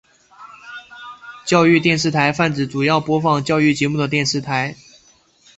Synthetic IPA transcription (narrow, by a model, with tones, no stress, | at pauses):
t͡ɕjɑ˥˧ʊy˥˧t̪jɛ˥˧nʂ̬ɻ̩˥˩t̪ʰa˧˥ɪfa˥˩nt͡sɻ̩˨˩t͡su˨˩jɑ˥˩ʊpwɔ˧˥fɑ˨˩ŋt͡ɕjɑ˥˧ʊy˥˩t͡ɕjɛ˧˥mu˥˩d̪ə˩t̪jɛ˥˧nʂɻ̩˥˩t̪ʰa˧˥ɪ